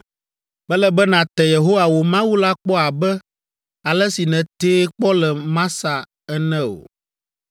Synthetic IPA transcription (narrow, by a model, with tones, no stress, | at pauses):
bɛ˦lɛ˦bɛ˦nã˨t̪ɛ˨je˨ɦo˦wa˨wo˨mã˦wu˦la˦k͡pɔ˦a˨bɛ˦ | a˨lɛ˦si˨nɛ̃˨t̪eː˦k͡pɔ˦lɛ˨mã˦sa˨ | ɛ˦nɛ̃˦o̰˨